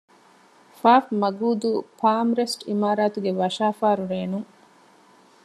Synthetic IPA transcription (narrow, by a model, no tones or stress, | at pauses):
faːfmɐɡuːd̪upʰaːmɾesʈḭmaːɾaːt̪uɡeʋɐʃaːfaːɾuɾeːnuŋ